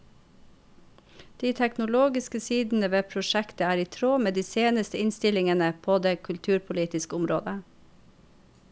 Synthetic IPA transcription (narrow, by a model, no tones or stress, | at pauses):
d̪̥iːt̪ʰæknʊloːɡɪskəsiːd̪n̩əʋeːpʰɾʊʃækt̪əæːɾiːt̪ʰɾoːmeːd̪iːseːnəst̪əɪnst̪ɪlɪŋənəpʰoːd̪eːkʰʉlt̪ʰʉːɾpʰʊliːt̪ɪskəʊmɾo̰ːd̪ə